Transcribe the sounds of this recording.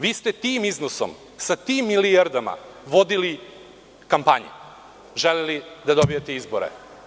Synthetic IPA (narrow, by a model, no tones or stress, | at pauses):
ʋiːst̪et̪iːmiznoso̰m | sat̪iːmːiliaɾd̪ama̰ʋo̞d̪ili | kampaɲḛ | ʒelelid̪ad̪obijet̪eizboɾḛ